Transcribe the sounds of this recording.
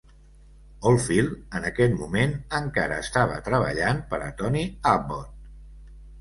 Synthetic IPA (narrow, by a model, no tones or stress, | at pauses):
olˠfilˠənəkɛt̪mumenəŋkaɾəːst̪aβ̞ət̪ɾəβ̞ə̰ʎanpəɾə̰t̪ɔniabot̪